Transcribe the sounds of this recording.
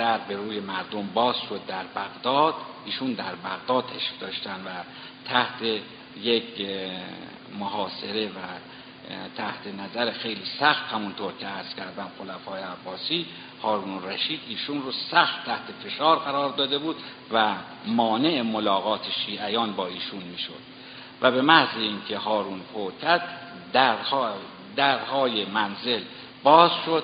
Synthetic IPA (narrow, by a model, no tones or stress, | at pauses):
æɾbe̞ɾuːje̞mæɾd̪ombɒːz̥ʃod̪̚ːæɾbæɣd̪ɒːd̪̥iːʃund̪æɾbæɣd̪ɒːd̪ʰeʃfd̪ɒːʃt̪ænd̪væ | t̪ʰæht̪ʰe | jek | moɦɒːse̞ɾe̞væ | t̪ʰæht̪ʰe̞næzæɾexe̞jliːsæxt̪hæmunt̪ʰoɾcʰeæɾz̥kʲʰæɾd̪æmxolæfɒːjeæbːɒːsiː | hɒːɾuːnræʃiːd̪iːʃunrosæxt̪t̪ʰːæht̪ʰe̞fe̞ʃɒːɾɣæɾɒːɾd̪ɒːd̪e̞buːd̪ | væ | mɒːne̞ʔemolɒːɣɒːt̪ʰeʃiːʔæjɒːnbɒːiːʃunmiːʃo̰d̪̥̚ | væbemæhzeiːŋkʰe̞ɦɒːɾuːnfʰocʰæd̪̚ | d̪æɾh | d̪æɾhɒːjemænze̞l | bɒːzʃo̞d̪̚